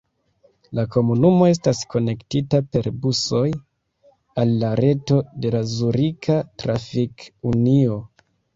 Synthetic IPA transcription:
lako̞munumo̞e̞stasko̞ne̞ktitape̞ɾbuso̞j | alːaɾe̞to̞de̞lazuɾikʰatɾafikunio̞

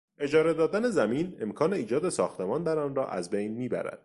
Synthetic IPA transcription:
ʔe̞d͡ʒɒːɾe̞d̪ɒːd̪æne̞zæmiːne̞mkʰɒːne̞iːd͡ʒɒːd̪e̞sɒːxt̪ʰemɒːnd̪æɾɒːnrɒ̰ːʔæ̰zbejnmiːbæ̰ɾæ̰d̪̥

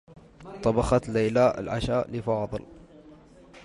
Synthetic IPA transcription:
t̪ˤɑbɑxɑt̪leːlaːʔɪ̰lʕa̰ʃaːlɪfɑːðˤɨ̰l

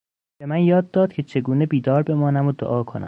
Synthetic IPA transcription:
b̥e̞mænjɒːd̪ːɒːd̪̥̚kʲʰet͡ʃʰe̞ɡuːne̞biːd̪ɒːɾbe̞mɒːnæmod̪o̰ʔɒːkʰo̞næ̰m

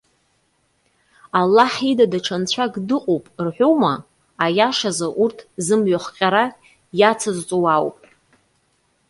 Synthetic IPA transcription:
alːaħidadaʈ͡ʂʰant͡ɕʷʰaɡdɨqʼowpʼrħʷᶣowmaː | jaʂazaʔurtʰzɨmɥaχqʲʼaɾa | jat͡sʰazt͡sʷʼowawpʼ

